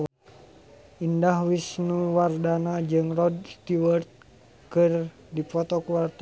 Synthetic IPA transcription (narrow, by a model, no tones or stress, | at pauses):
indahwisnuwardanad͡ʒɨŋrɔdst̪iwərt̪̚ | kɨr | dipɔt̪ɔkuart̪a